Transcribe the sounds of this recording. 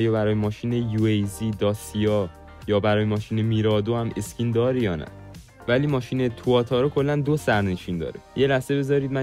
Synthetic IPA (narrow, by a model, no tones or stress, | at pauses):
jɒːbæɾɒːjemɒːʃiːnejuejziːd̪ɒːsiɒː | jɒːbæɾɒːjemɒːʃiːne̞miːɾɒːd̪ohæmescʰind̪ɒːɾejɒːnæ̰ | væliːmɒːʃiːnet̪ʰuɒːt̪ʰɒːɾɔkʰo̞lːænd̪osæɾneʃiːnd̪ɒ̰ːɾejelæhz̥e̞be̞zɒːɾiːd̪mæ